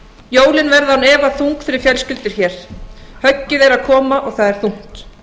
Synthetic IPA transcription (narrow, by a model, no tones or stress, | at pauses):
joːwlɪnvɛɾðahanɛːvaθuŋkfɪɾɪɾfjɛlscʏlt̪ɪɾ̥çɛːɾ̥hœcːɪðɛɾaðkʰɔːmaʔɔɣθaðɛɾ̥θuŋ̥t̪